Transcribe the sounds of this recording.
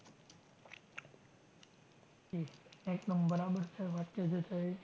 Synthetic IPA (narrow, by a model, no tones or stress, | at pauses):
d͡ʒiekd̪əmbəɾabəɾt͡ʃʰeʋat̪ked͡ʒʰet͡ʃʰe